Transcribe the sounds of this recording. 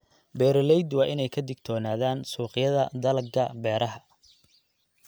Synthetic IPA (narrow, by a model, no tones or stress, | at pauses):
bɛːɾlɛjd̪wɑːʔɪnɛjkʰɐd̪ɪɡ̚t̪ʰɔːnaːðaːnsuːqɪjɐðɐd̪ɐlɐɡɡɐbɛːɾɐɦɐ